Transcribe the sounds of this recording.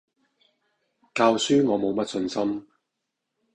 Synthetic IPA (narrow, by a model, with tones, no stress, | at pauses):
kaː˧wsyː˥ŋɔː˨˧mo˨˧wmɐ˥t̚sɵ˧nsɐ˥m